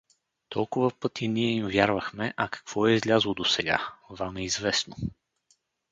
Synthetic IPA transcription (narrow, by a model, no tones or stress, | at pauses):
t̪ʰɔlˠkʊvəpɤt̪ʰiniɛimvʲjaɾvəxmɛʔɐkɐ̥kv̥ɔɛizlʲazlˠod̪osɛɡa̰vamɛizvɛsno